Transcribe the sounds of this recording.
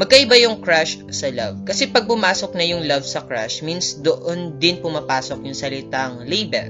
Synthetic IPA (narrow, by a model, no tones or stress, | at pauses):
mɐɡ̚kɐʔɪbajʊŋkɹaʃ | sɐlɐ̰vkɐsɛpɐɡ̚pʊmaːsok̚nɐjʊŋlɐvsɐkɹa̰ʃminsd̪oʔond̪ɪnpʊmapaːsok̚jʊŋsɐlɪt̪aŋlejbɛ̰l